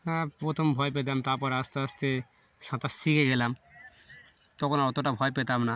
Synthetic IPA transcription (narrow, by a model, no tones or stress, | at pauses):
hɛ̃pɾot̪ʰombʱɔep̬et̪̬amt̪aɾpɔɾeast̪east̪e | ʃãt̪asikeɡelam | t̪ɔkʰonaɔt̪oʈabʱɔepet̪amna